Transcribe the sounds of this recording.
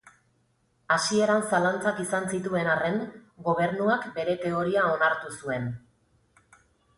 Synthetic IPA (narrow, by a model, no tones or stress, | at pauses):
asie̞ɾansalant͡sakisansit̪ue̞nare̞ŋɡo̞β̞e̞ɾnuakbe̞ɾe̞t̪e̞o̞ɾiao̞naɾt̪usue̞n